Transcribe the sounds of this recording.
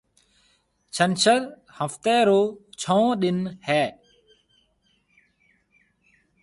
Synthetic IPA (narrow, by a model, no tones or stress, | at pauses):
t͡ʃʰənt͡ʃəɾ | həft̪ɛːɾoːt͡ʃʰõːɗɪnhɛː